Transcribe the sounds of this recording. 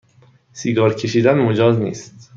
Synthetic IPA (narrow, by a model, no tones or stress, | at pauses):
siːɡɒːɾcʲʰe̞ʃiːd̪ænbemod͡ʒɒːznḭːst̪